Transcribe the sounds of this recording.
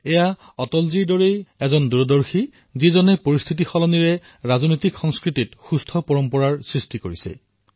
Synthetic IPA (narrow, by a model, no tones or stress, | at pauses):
ɛja | ɔtɔlziɹdɔɹejɛzɔnduɹɔdɔɹxi | zizɔnɛpoɹist̪ʰit̬ixɔlɔniɹɛ | ɹaznojtikxɔŋskɹititxustʰɔpɔɹɔmpɔɹaɹsɹistikoɹisɛ̰